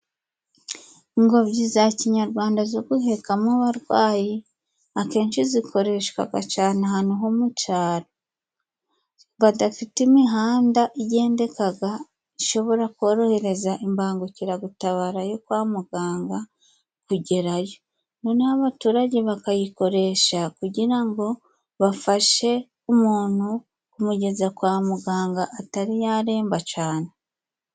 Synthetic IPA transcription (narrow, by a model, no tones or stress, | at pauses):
ŋɡo̞βɟizaciɲaɾɡwaːndazo̞ɡuhe̞kamaβaɾɡwaːji | ake̞ːnʃizikʰo̞ɾe̞ʃka̰ɡa̰t͡ʃaːneɦanuɦomut͡ʃaːɾo | βadafitimiɦaːndaʔije̞ːnde̞kaɡa | iʃo̞βo̞ɾakwo̞ːɾo̞he̞ɾe̞zaʔimbaːŋɡuciɾaɡutaβaːɾajo̞kwaːmuɡaːŋɡa | kuɟe̞ɾajo | nonaβatuːɾaɟeβakajiko̞ɾe̞ːʃakuɟiɾaŋɡo̞ | βafaʃe̞ | umuːn̥hu | kumuɟe̞zakwaːmuɡaːŋɡaʔːtaɾijaɾe̞ːmbat͡ʃaːne